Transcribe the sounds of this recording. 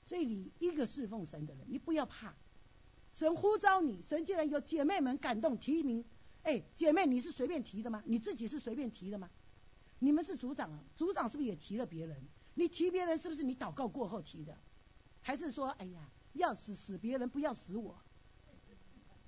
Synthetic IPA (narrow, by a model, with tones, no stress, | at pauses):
swɔ˧˥i˨˩ni˨˩i˧˥ɡə˧ʂɻ̩˥˧fo˥˩ŋʂə˧˥nd̪ə˨ɻə̰˧˦ni˨˩pu˧˥jɑ˥˧ʊpʰa˥˩ | ʂə˧˦˥nxu˥t͡sɑ˥ʊni˨˩˦ʂə˧˥nt͡ɕi˥˧ɻa˧˦njo˧˥ʊt͡ɕjɛ˨˩me˥˩ɪmə˧˦nka˨˩nt̪ʊ˥˩ŋt̪ʰi˧˥mi˧˥ŋe˥˩ɪt͡ɕjɛ˨˩me˥˩ɪni˨˩ʂ̬̩˥˩swe˧˥pjɛ˥˩nt̪ʰi˧˥d̪ə˨ma˧ni˨˩t͡sɹ̩˥˩t͡ɕi˨˩ʂɻ̩˥˩swe˧ɪpjɛ˥˩nt̪ʰi˧˥d̪ə˨mɐ˨ | ni˨˩mə˦nʂɻ̩˥˩t͡su˧˥t͡sɑ˨˩ŋ˦t͡su˧˥t͡sɑ˨ŋʂɻ̩˥˩bjɛ˨˩t̪ʰi˧˥lə˧pjɛ˧˥ɻə˧˦n | ni˨˩t̪ʰi˧˥pjɛ˧˥ɻə˧˦nʂ̬ɻ̩˥˩bu˩ʂ̬ɻ̩˥˩ni˧˥t̪ɑ˨˩ʊkɑ˥˧ʊkwɔ˥˧xo˥˩ʊt̪ʰi˧˥d̪ə̰˧ | xa˧˥ɪʂ̬ɻ̩˥˩ʂwɔ˥ʔa˧˩ɪja˨˩ | jɑ˥˩ʊsɹ̩˨˩sɹ̩˨˩pjɛ˧˥ɻə˧˥npu˧˥jɑ˥˩ʊsɹ̩˧˥wɔ˨˩˦